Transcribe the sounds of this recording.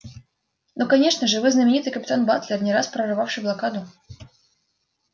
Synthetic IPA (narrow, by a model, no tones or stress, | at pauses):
nokɐnʲeʂnəʐɨvɨznəmʲɪnʲit̪ɨjkəpʲɪt̪anbat̪lʲɪrnʲɪɾaspɾərɨvafʂɨjblˠɐkad̪ʊ